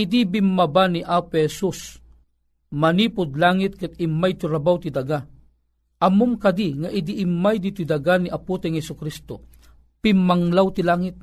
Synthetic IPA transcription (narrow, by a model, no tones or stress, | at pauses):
id̪ibimːabaniʔapehɛsus | mɐniːpʊd̪laːŋit̪̚kɨt̪̚imːajt̪uɾabawt̪id̪ɐɡa | ʔɐmʊmkɐd̪iŋaʔid̪iʔːmːajd̪it̪id̪aɡaniʔaput̪ɛŋhɛsʊkɾist̪o̰ | pimːaŋlawt̪ilaːŋɪt̪̚